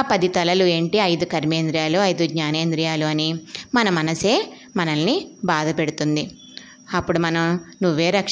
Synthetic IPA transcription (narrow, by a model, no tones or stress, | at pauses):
pɐd̪it̪ɐlɐlue̞ːɳʈiɐjd̪ukɐɾmeːnd̪ɾijaːluɐjd̪uɡɲaːne̞ːnd̪ɾijaːluɐnimɐnɐmɐnɐse̞ː | mɐnɐlːibaːd̪ɐpeɽut̪und̪i | ɐpːuɽumɐnɐmnuʋːe̞ːɾɐk